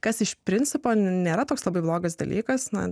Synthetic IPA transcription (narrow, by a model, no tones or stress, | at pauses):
kɐsɪʃpʲɾʲɪnʲt͡ssʲɪpoːnʲeːɾɐt̪oːkslˠɐbɐɪblˠoːɡɐsd̪ɐ̰lʲiːkɐsnɐ̰